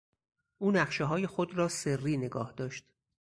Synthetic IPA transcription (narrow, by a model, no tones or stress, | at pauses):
ʔuːnæχʃeɦɒːje̞xod̪ɾɒːserːiːne̞ɡɒːhd̪ɒːʃt̪